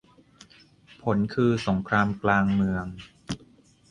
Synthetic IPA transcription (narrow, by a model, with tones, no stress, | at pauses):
pʰo˩˦nkʰɯː˧so˩˦ŋkʰɾaː˧mklaː˧ŋmɯ˧əŋ